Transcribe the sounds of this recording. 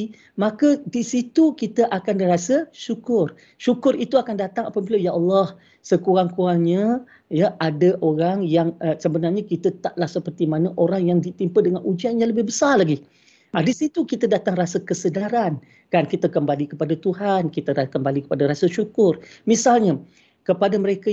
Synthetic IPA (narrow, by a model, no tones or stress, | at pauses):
mãkədisit̪ukit̪əʔakandəɾasəʃukʊr | ʃukʊrit̪uakandat̪aŋapəbilajaʔalːɔh | səkuɾaŋkuaŋɲa | jaʔadəʔoɾaŋjaŋəsəbənarɲakit̪ət̪aʔlahsəpərt̪imanəʔoɾaŋjaŋdit̪impədəŋanʔud͡ʒianɲãləbɪhbəsarlaɡi | adisit̪ukit̪adat̪aŋrasakəsədaɾan | kankit̪akəmbalikəpadat̪uɦankit̪aɾakəmbalikə̥padaɾasəʃukʊrmisalɲa | kəpadaməɾeka